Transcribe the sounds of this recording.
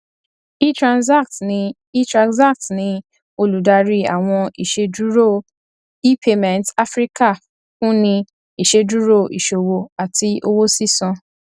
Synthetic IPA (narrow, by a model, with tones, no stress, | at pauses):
i˦tɾã˨nsa˦kt | i˦tɾa˧ksa˦k̚tnĩ˧˦ | o˧lu˨˦da˧ɾi˦a̰˨w̃ɔ̃˧i˨ʃe˧du˦ɾo˦˨ | i˦pʰe˧mɛ̃˨nta˦fɾi˦ka˦˨ | fũ˦nĩ˧ | i˨ʃe˧du˦ɾo˦˨ḭ˨ʃo˨wo˧a˨ti˧ʔo˧wo˦si˦sɔ̃˧